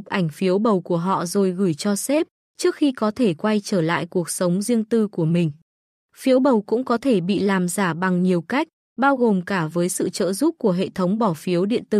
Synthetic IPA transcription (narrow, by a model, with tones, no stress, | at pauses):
k͡p̚ʔa˧˩jŋ̟fi˨˦əwɓə˨˩wku˧˩əɦɔ̰˧˨zo˨˩jɣɨ˧˩jt͡ɕɔ˧sɛ˦˥p̚ | t͡ɕɨ˦˥ək̚xi˧kɔ˨˦t̪ʰe˧˩kwa˧jt͡ɕəː˧˩la̰ː˧˨jku˨˩ək̚sə˨˦wŋ͡mzi˧əŋt̪ɨ˧ku˧˩əmï˨˩ŋ̟ | fi˨˦əwɓə˨˩wkʊ̰˧˥ŋ͡mkɔ˨˦t̪ʰe˧˩ɓḭ˧˨laː˨˩mzaː˧˩ɓa˨˩ŋɲi˨˩əwka˦˥jk̟̚ | ɓaː˧wɣo˨˩mkaː˧˩vəː˨˦jsɨ̰˧˨t͡ɕə̰ː˧˨zu˦˥p̚ku˧˩əɦḛ˧˨t̪ʰə˨˦wŋ͡mɓɔ˧˩fi˨˦əwɗḭ˧˨ənt̪ɨ̰˧˩